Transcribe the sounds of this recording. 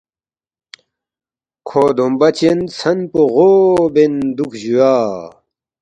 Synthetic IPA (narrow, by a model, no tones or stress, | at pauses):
kʰoːd̪ombɐt͡ɕent͡sʰɐnpoʁobend̪ukʰʑujaː